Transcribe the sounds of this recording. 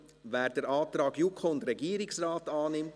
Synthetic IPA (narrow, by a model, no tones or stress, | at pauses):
væːɾdɛɾɑːt̪ɾɑːɡjukʰoʊndɾɛɡiːəɾɪksrɑːtɑːnɪmt